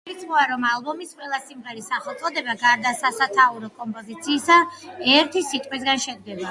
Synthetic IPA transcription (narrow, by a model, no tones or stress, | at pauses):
it̪sʰmɔaɾɔmalˠbɔmisqʼwɛlˠasimʁɛɾisaχɛlˠt̪sʼɔd̪ɛbaɡaɾd̪asasat̪ʰauɾɔkʼɔmpʼɔzit̪sʰiːsaɛɾt̪ʰisit̪ʼqʼwisɡanʃɛd̪̚ɡɛba